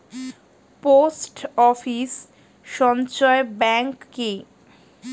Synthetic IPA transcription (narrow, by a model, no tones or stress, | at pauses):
posʈɔfis | ʃɔnt͡ɕɔebɛŋkːe